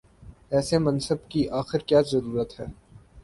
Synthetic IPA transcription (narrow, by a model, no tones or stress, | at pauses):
ɛːsemɐ̃nsəbkiʔaːxɪɾkjaːzɐɾuːɾət̪ɦɛ̰ː